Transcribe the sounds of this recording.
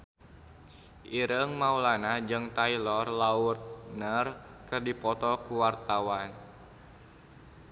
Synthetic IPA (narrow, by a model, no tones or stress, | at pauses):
ʔiɾəŋmaulanad͡ʒɨŋt̪ailɔrlaʊt̪̚nərkɨrdipɔt̪ɔkuwart̪awan